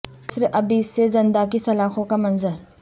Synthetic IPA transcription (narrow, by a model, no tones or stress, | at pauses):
sɪɾɐbiːsezɐnd̪ak̬isɐlaːxʰõkamɐnzəɾ